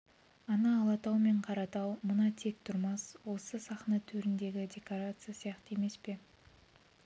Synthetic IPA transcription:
ɑnɑːlˠɑt̪ɑwme̞ɴqʰɑɾɑt̪ɑwmənɑt̪ʰe̞k̚t̪ʰʊɾmɑswo̞səsɑχnɑt̪ʰɵɾɪnd̪e̞ɡʲɪd̪ʲe̞koɾat̪sɨjasijɑqt̪əe̞me̞spe̞

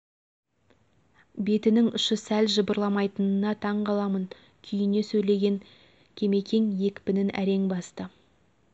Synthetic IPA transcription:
be̞t̪ɪnɪŋʊʃəsælʒəbəɾlˠɑmɑjt̪ənənɑt̪ʰɑɴqɑlˠɑmən | kʲʰʏjɪne̞sɵjle̞ɡʲe̞ŋ | kʲʰe̞me̞kʲʰeŋje̞kʲpɪnɪnʔæ̰ɾe̞ŋbɑst̪ə

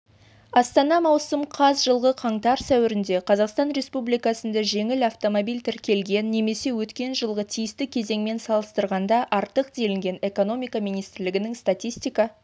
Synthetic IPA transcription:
ɑst̪ɑnɑmɑwsəmqʰɑzʒəlˠʁəqʰɑɴt̪ɑɾsæwɪɾɪnd̪e̞qʰɑzɑqst̪ɑnɾe̞spublijkɑsənd̪ɑʒe̞ŋɪlɑft̪o̞mobijlʲt̪ʰɪɾkʲe̞lɡʲe̞nːe̞me̞se̞wɵt̪kʲe̞nʒəlˠʁət̪ʰijɪst̪ɪkʲʰe̞ze̞ŋme̞nsɑlˠəst̪əɾʁɑnd̪ɑʔɑɾt̪əqd̪e̞lɪŋɡʲe̞ne̞ko̞no̞mʲijkɑmijnijst̪ɾlɪɡʲɪnɪŋst̪at̪ʲijsʲt̪ʲijkɑ

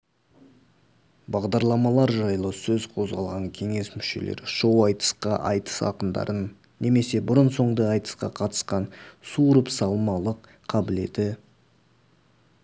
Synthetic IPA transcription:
bɑʁd̪ɑɾlˠɑmɑlˠɑɾʒɑjlˠəsɵzqʰo̞zʁɑ̰lˠʁɑŋkʲʰe̞ŋe̞smʏʃe̞̰le̞̰ɾʃowɑjt̪ə̥sqɑ̰ʔɑ̰jt̪ə̥sɑ̰qənd̪ɑ̰ɾʔənː | e̞me̞se̞bʊɾənso̞ɴd̪əɑjt̪ə̥sqɑ̰qʰɑt̪ə̥sqɑnsuɾəpsɑlˠmɑlˠəqʰːɑbɪle̞d̪ɪ

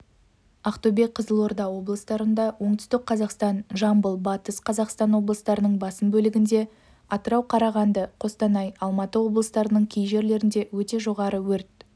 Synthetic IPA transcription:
ɑqt̪ubek̚qʰəzəlˠo̞rd̪ɑwo̞blˠəst̪ɑɾənd̪ɑwo̞ɴt̪ʏ̥st̪ɪk̚qʰɑzɑqst̪ɑnʒɑmbəlˠbɑt̪əsqʰɑzɑqst̪ɑnwo̞blˠəst̪ɑɾənəɴbɑsəmbɵlɪɡʲɪnd̪e̞ | ɑt̪əɾɑwqʰɑɾɑʁɑnd̪əqʰo̞st̪ɑnɑjɑlˠmɑt̪əwo̞blˠəst̪ɑɾənəɴkʲʰejʒe̞ɾle̞ɾɪnd̪e̞wɵt̪e̞ʒo̞ʁɑɾəwɵɾt̪̚

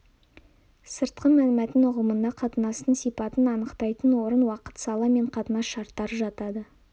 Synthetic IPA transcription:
səɾt̪̚qənmælmæt̪ɪnʊqəmənd̪ɑqʰɑt̪ənɑst̪ənsijpɑt̪ənɑnəqt̪ɑjt̪ənwo̞ɾənwɑqə̥t̪sɑlˠɑme̞ɴqʰɑt̪ənɑsʃɑɾt̪ːɑɾəʒɑt̪ɑd̪ə

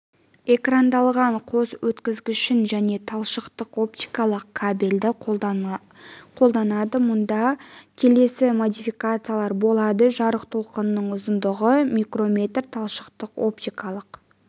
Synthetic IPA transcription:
e̞krand̪ɑlˠʁɑɴqʰo̞swɵt̪kʲɪzɡʲɪʃɪnʒæne̞t̪ʰɑlˠʃəqt̪əqo̞p̚t̪ijkɑlˠəqkʰabeld̪ɪ | qʰo̞lˠd̪ɑnɑd̪əmʊnd̪ɑkʲʰe̞le̞sɪmo̞d̪ijfijkat̪sɨjalˠɑɾbo̞lˠɑd̪əʒɑɾəqt̪ʰo̞lˠqənənːəɴʊzənd̪əʁəmʲijkro̞mʲe̞t̪rt̪ʰɑlˠʃə̥qt̪əqo̞̰p̚t̪ijkɑlˠəq

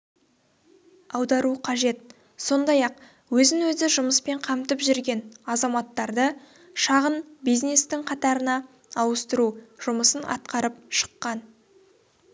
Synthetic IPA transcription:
ɑwd̪ɑɾuqʰɑʒe̞t̪̚ | so̞nd̪ɑjɑq | wɵzɪnwɵzɪʒʊməspe̞ɴqʰɑmt̪əpʒʏɾɡʲe̞nɑzɑmɑt̪ːɑɾd̪ə | ʃɑʁənbijznest̪ɪŋqʰɑt̪ɑɾənɑː | wəst̪əɾuʒ̥ʊməsənʔɑ̰t̪̚qɑɾəp̚ʃə̥qːɑn

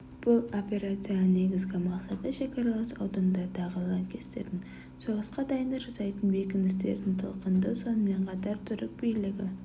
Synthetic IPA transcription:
b̥ʊlˠo̞pʲe̞ɾat̪sijanne̞ɡʲɪzɡʲɪmɑqsɑt̪əʃe̞kɑɾɑlˠəsɑ̰wd̪ənd̪ɑd̪ɑʁəlˠɑŋkʲʰe̞st̪e̞̰ɾd̪ɪŋ | so̞ʁəsqɑd̪ɑjənd̪ɑʒɑsɑjt̪ənbe̞kʲɪnd̪ɪst̪e̞̰ɾd̪ɪŋt̪ʰə̰lˠqənd̪əso̞nəme̞ɴqʰɑt̪ɑɾt̪ʰʏɾɪk̚bijlɪɡʲɪ

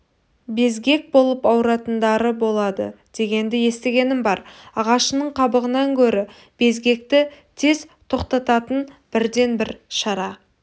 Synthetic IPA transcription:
be̞zɡʲe̞k̚bo̞lˠəpɑwɾɑt̪ənd̪ɑɾəbo̞lˠɑd̪ə̰d̪̥e̞ɡʲe̞nd̪ɪje̞st̪e̞ɡʲe̞nɪmbɑɾɑʁɑʃənəɴqʰɑbəʁənɑŋkʲʰɵɾɪ | b̥e̞zɡʲe̞k̚t̪ɪt̪ʰe̞zt̪ʰo̞qt̪ɑt̪ɑt̪ənb̥ɪɾd̪e̞nbɪɾʃɑɾɑ

